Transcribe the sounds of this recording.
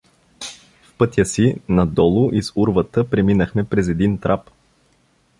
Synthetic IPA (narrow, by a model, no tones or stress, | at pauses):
fpɤt̪ʲjəsinɐd̪ɔlˠʊʔisuɾvət̪əpɾɛminəxmɛpɾɛzɛd̪int̪ɾʔap